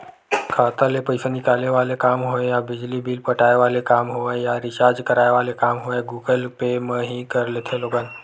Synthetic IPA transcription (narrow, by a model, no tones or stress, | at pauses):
kʰaːt̪alepɐɪsanɪkaːlneʋaːlekaːmɦoẽjabɪd͡ʒlibʱiːlpəʈaːeʋaːlekaːmɦoejaɾɪʃaːd͡ʒkəɾaːeʋaːlekaːmɦoeɡuːɡəlpemə̃ɦikɐɾlet̪ʰeloːɡən